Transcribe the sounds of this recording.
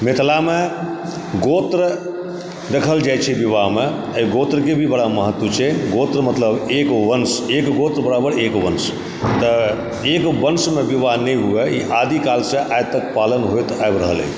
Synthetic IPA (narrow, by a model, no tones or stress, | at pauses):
met̪lame | ɡot̪ɾ | d̪ekʰəld͡ʒajt͡ʃʰɛbiʋaɦme | əɡot̪ɾk̬ebʱibəɽaməɦət̪wət͡ʃʰɛɡot̪ɾmət̪ləbekʋənsekɡot̪ɾbəɽabəɽekʋəns | t̪ə | ekbənsmebiʋaɦnəjɦueiʔad̪ikalsẽʔajt̪əkpalənɦojt̪ajbɾəɦəlḛ